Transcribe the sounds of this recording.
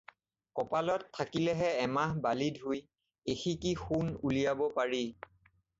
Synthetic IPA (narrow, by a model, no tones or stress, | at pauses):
kɔpalɔtʰːakilɛɦɛɛmaɦbalidɦuj | exikixunulijabɔpaɹi